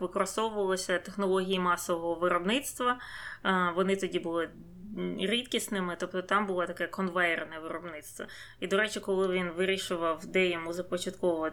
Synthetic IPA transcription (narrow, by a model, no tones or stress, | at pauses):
ʋɪkɔɾɔst̪ɔwʊʋɐlˠɔsʲɐt̪exnɔlˠɔɦʲijimɑsɔʋɔɦɔʋɪɾɔbnɪt̪st̪ʋɐ | ʋɔnɪt̪ɔdʲibʊlˠɪ | ɾʲit̪kʲisnɪmɪt̪ɔpt̪ɔt̪ɑmbʊlˠat̪ɐkɛkɔnʋɑjɪrnɐʋɪɾɔbnɪt̪st̪ʋɐ̰ | id̪ɔɾɛt͡ʃɪkɔlˠɪʋʲinʋɪɾʲiʃʊʋɐwd̪ɛjɛmuzɐpɔt͡ʃɐt̪kɔʋɔɔ